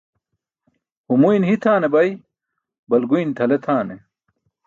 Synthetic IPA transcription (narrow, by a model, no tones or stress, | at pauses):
humujnhit̪ʰaːnebɐj | bɐlɡujnt̪ʰɐlet̪ʰaːne